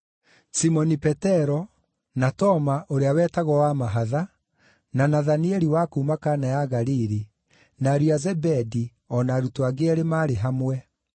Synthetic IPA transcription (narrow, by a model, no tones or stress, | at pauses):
simɔnipɛtɛɾɔ | natɔmaʔoɾeawɛtaɣɔwamaɦaða | nanaðaniɛɾiwakuːmakanajaɣaɾiɾi | naɾiazɛbɛdi | ɔnaɾutoaɣeɛɾemaːɾeɦamwɛ